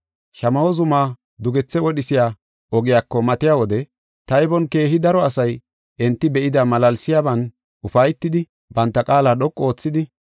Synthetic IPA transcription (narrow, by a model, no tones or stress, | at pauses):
ʃɐmɐwɔzʊmaː | d̪ʊɡɛt͡sːɛwɔɗɪsɪjaː | ɔɡɪjakːɔmɐt̪ɪjawɔd̪ɛ | t̪ɐjbɔnke̞ːɦɪd̪ɐɾɔɐsɐj | ʔɛnt̪ːɪbɛʔɪd̪ɐmɐlɐlsɪjaːbɐn | ʔʊfɐjt̪ːɪd̪ɪ | bɐnt̪ːɐkʼaːlaːɗɔkʼːo̞ːt͡sːɪd̪ɪ